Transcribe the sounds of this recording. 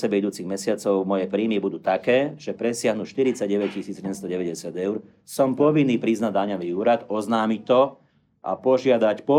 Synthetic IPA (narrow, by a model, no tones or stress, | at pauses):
sɛbɛid̪uːt͡siɣmɛsɪat͡sɔʊmɔjɛpɾiːmibud̪uːt̪akɛːʒ̥ɛpɾɛsɪaɦnuʃt̪iɾit͡saɟɟɛʋɛccisiːd͡zjɛɟɛmst̪ɔɟɛʋɛɟɛsɪad̪ɛʊɾ | sɔmpɔʋinːiːpɾiznad̪aɲaʋiuːɾad̪ɔznaːmic̚t̪ɔ | ʔa̰pɔʒɪad̪acpɔ